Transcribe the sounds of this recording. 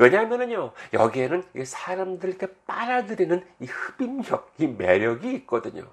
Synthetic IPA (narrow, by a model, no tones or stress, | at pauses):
we̞ɲamjʌnɯɲojʌ̰ɡie̞nɯnisʰaɾamdɯɭk͈e̞p͈aɾadɯɾinɯnihɯb̥imjʌk̚ime̞ɾjʌɡiːt̚k͈ʌdɯɲo̰